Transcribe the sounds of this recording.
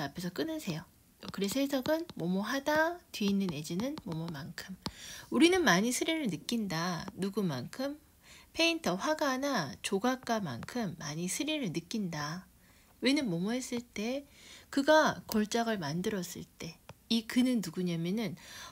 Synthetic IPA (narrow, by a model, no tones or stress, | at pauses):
apʰe̞sʰʌk͈ɯnɯsʰe̞jo | kɯɾesʰesʰʌɡɯnmomoɦadatɥiːnːɯne̞d͡ʑinɯnmomʌmankʰɯmuɾinɯnmaɲisʰɯɾiɾɯɭnɯk͈indanuɡumankʰɯm | pʰe̞intʰʌɸwaɡanat͡ɕoɡak͈ama̰nkʰɯmːaɲisʰɯɾiɾɯɭnɯk͈inda | we̞nɯnmʌmʌɦe̞s͈ɯɭt͈e̞kɯɡakʌɭt͡ɕ͈aɡɯɭmandɯɾʌs͈ɯ̰ɭt͈e̞ikɯnɯnːuɡuɲamjʌnɯn